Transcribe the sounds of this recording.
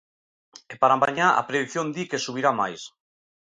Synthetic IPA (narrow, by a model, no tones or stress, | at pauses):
epaɾamaɲaa̰pɾeðiθjond̪ikesuβ̞iɾamajs